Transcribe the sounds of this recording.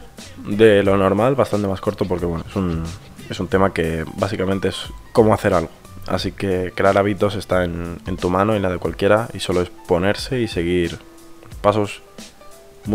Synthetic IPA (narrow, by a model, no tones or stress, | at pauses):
d̪e̞lo̞no̞ɾmalβast̪ant̪e̞masko̞ɾt̪opo̞ɾke̞βwe̞noesun | e̞sunt̪e̞make̞basikament̪e̞esko̞moaθe̞ɾalɣo̞ | a̰sike̞kɾeaɾaβ̞it̪o̞se̞st̪aene̞nt̪umãno̞inlað̞e̞kwalkje̞ɾaiso̞loe̞spo̞ne̞ɾse̞ise̞ɣ̞iɾ | paso̞s | m